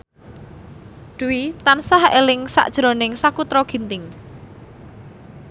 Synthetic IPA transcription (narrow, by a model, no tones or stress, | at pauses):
ɖ̪̥ṳwit̪ansahelɪŋsa̰ʔd̥ʒ̥ɾo̤nɪŋsakut̪ɾɔɡ̥i̤nt̪ɪŋ